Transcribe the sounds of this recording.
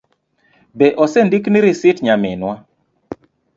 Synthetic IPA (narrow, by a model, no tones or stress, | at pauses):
bɛʔɔsɛndikniɾisɪtɲamɪ̰nwa